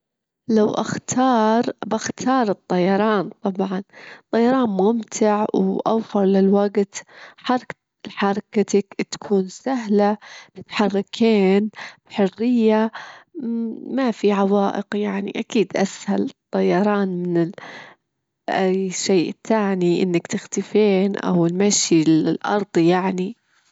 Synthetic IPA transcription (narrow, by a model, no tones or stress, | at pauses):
lawʔaxt̪ʰɑːɾˤbaxt̪ʰɑːɾˤɨt̪ˤːɑjɑɾˤɑːnt̪ˤɑbʕɑnt̪ˤːɑjɑɾˤɑːnmʊmt̪ʰɪʕwʔa̰wfɪɾˤlɪlwaɡt̪ħɑɾˤɑ | ħɑɾˤkat̪akt̪ḁkʰuːnsaɦlabɪt̪ħɑrːɪkʰeːnbħʊrːɪjːa | mafiʕɑwɑːʔɪ̰qjaʕnḭʔakiːd̪ʔashalt̪ˤːɑjɑɾˤɑːnmɪnɪl | ʔajʃeːʔɪt̪ːaːniʔɪ̰nːakt̪ɪxt̪ɪfeːnʔa̰wɪlmaʃilɪɪlʔɑ̰ɾˤd̪ˤjaʕni